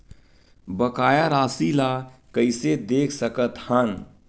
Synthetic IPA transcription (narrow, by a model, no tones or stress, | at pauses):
bəkaːjaɾaːsilakəɪsed̪eːkʰsəkət̪han